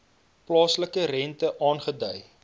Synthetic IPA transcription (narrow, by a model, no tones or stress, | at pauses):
plɑːsləkərɛntəʔɑːnχədœj